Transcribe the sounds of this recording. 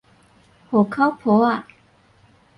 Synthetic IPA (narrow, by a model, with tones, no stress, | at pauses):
ho˨˩kʰa˦wpʰo˨˦a˨